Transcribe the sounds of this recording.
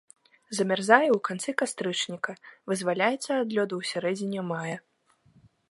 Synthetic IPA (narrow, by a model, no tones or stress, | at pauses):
zɐmʲarzajɛwkant̪sɨkast̪ɾɨt͡ʂnʲikɐvɨzvalʲajɛt̪sːɐːd̪lʲɔd̪uwsʲaɾɛd͡zʲinʲɛmajɐ